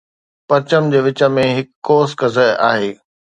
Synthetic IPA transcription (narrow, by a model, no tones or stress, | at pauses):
pɐɾt͡ɕəmd͡ʑeːʋɪt͡ɕə̆mẽɦɪkːoːskɐzəa̰ːɦeː